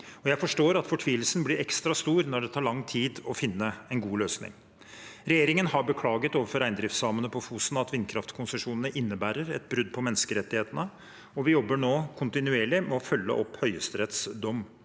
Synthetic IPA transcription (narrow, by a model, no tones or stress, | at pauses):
ɔjæɪfɔʂʈoːɾɑt̪fɔʈʰʋiːəlsənblɪɾɛkst̪ɾɑst̪uːɾnɔɖɛt̪ʰɑːɭɑŋːt̪ʰiːd̪ɔfɪnːəɛnɡuːløːsnɪ̰ŋ | ɾɛjeːɾɪŋənhɑɾbəkʰlɑːɡət̪oːʋəɾfɔɾæɪnd̪ɾɪft̪sɑːmənəpʰɔfuːsənɑt̪ʋɪnkʰɾɑft̪kʰʊnsəʂuːnənəʔɪnːəbæːɾəɾɛt̪̚bɾʉd̪̚pʰɔmɛnːəskəɾɛt̪ːɪheːt̪ənə | ɔʋɪjɔbːəɳoːkʰʊnt̪ɪnʉeːɭɪmɛɔfœlːə̰ʔɔphœʏəst̪əɾɛt̪sd̪ɔmː